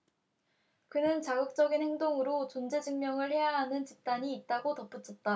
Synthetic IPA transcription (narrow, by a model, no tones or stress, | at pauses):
kɯnɯnt͡ɕaɡɯk̚t͡ɕ͈ʌɡinhe̞ŋdoŋɯɾot͡ɕond͡ʑe̞d͡ʑɯŋmjʌŋɯɭhe̞jaɦanɯnt͡ɕip̚t͈aɲiːt̚t͈aɡotʌp͈ɯt͡ɕʰʌt̚t͈a